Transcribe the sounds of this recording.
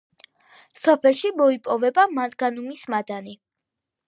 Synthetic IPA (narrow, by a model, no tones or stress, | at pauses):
sɔpʰɛlˠʃimɔipʼɔvɛbamanɡanumismad̪ani